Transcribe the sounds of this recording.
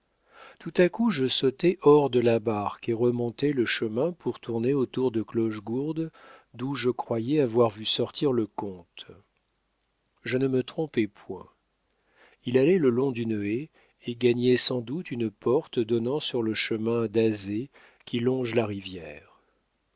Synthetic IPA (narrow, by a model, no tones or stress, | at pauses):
t̪ut̪akuʒəsot̪ɛʔɔʁd̪əlabaʁkeʁəmɔ̃t̪ɛləʃəmɛ̃puʁt̪ʰuʁneot̪uʁd̪əklɔʒɡuʁd̪d̪uʒəkχwajɛavwaʁvysɔʁt̪ʰiʁləkɔ̃t̪ | ʒənəmət̪χɔ̃pɛpʰwɛ̰̃ | ilalɛləlɔ̃d̪yne | eɡaɲɛsɑ̃d̪ut̪ynpɔʁt̪d̪ɔnɑ̃syʁləʃəmɛ̃d̪aze | kʲilɔ̃ʒlaʁivjɛːʁ